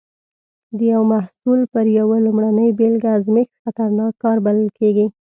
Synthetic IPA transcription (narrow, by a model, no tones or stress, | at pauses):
d̪əjawmahsulpəɾjawalʊmɽanəjbelɡazmek̪xat̪aɾnɑkːɑɾbalɪlkeɡi